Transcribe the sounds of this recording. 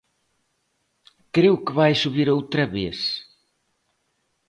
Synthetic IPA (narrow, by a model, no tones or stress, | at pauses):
kɾewkɪβajsuβiɾowt̪ɾɐβes